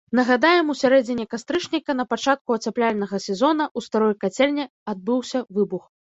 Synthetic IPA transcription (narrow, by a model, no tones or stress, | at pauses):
nɐɣad̪ajɛmusʲaɾɛd͡zʲinʲɛkast̪ɾɨʂnʲikɐnɐpat͡ʂat̪̚kuɐt͡sʲaplʲalʲnɐɣɐsʲɛzɔn̪ɐʔust̪aɾɔjkat͡sʲɛlʲnʲɛ | ad̪̚bɨwsʲɐvɨbux